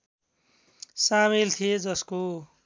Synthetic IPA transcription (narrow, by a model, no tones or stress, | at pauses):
samilt̪ʰijed͡zʌsko